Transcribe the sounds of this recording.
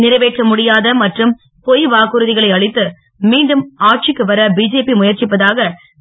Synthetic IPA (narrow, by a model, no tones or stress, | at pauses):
nɪɾɐʋeːʈrɐmʊɽɪjaːðɐmɐʈrɯm | pɔjʋaːkɯɾɯðɪɣɐɭɐɪɐɭɪt̪ːɯ | miːɳɖɯmaːʈ̚t͡ʃɪkːɯʋɐɾɐbiːd͡ʒeːpimʊjɐɾt͡ʃɪpːɐðaːɣɐ